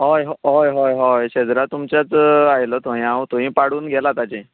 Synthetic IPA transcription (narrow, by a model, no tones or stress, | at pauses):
ɦojɦɦojɦojɦojɕed͡zɾat̪umt͡ɕjat͡sajlət̪ʰoĩãwt̪oɦĩpaɽuːnɡʱɛlat̪at͡ɕẽ